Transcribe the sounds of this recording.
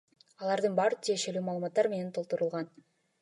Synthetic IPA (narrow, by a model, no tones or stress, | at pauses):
ɑlˠɑɾd̪ɯnbɑɾɯt̪ʰije̞ʃe̞lyːmɑːlˠmɑt̪ːɑɾme̞nent̪ʰolˠt̪uɾulˠʁɑn